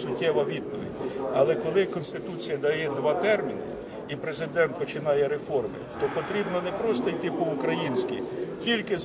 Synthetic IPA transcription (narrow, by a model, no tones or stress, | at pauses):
sʊtʲːɛʋɐʋʲid̪̚pɔʋʲɪ̰dʲɐlˠɛkɔlˠɪkɔnst̪ɪt̪ut͡sʲijɐd̪ɐjɛd̪ʋɑt̪ɛrmʲinɪ | ipɾe̞zɪd̪ɛnt̪̚pɔt͡ʃɪnɑjɛɾefɔrmɪ̰t̪ɔpɔt̪ɾʲibnɔnɛpɾɔst̪ɔjt̪ɪpʊːkɾɐjinʲsʲkʲḭkʲilʲkɪz